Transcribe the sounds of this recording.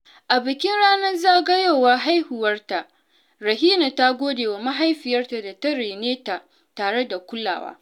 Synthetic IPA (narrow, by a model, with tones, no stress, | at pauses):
ʔa˨bɪ˨kʲɪ˦nɽaː˦nɐ˦rzaː˦˨ɡɐ˦joː˦˨wa˦ɦa˦jhʊ˨wɐ˦rta˨ʔ | ɾɐ˨hiː˦na˨ta˦ɡʷoː˦deː˨wa˨ma˦ɦa˦jɸɪ˨jɐ˦rta˨da˨tɐ˦ɽeː˨neː˦ta˨ | taː˨ɽe˦da˨kʷʊ˦lːa̰ː˨wa̰ː˦